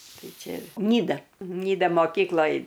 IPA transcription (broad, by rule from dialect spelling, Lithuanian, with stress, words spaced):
ˈtɐɪ ˈt͡ʃʲɛ ˈnʲiːdɐ ˈnʲiːdɐ moːˈkʲiːklˠoːj